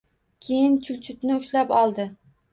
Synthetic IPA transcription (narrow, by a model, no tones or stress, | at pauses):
kʲʰejɪnt͡ʃʰʊlt͡ʃʰʊt̪nɪʊʃlapɒlˠd̪ɪ